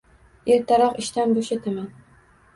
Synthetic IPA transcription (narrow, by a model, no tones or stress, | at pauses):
eɾt̪ʰaɾɒqɪʃt̪anboʃet̪ʰaman